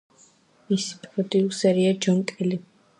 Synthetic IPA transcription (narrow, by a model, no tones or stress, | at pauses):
misi̥pʼɾɔd̪ʼiusɛɾiad͡ʒɔnt̪ʼɛli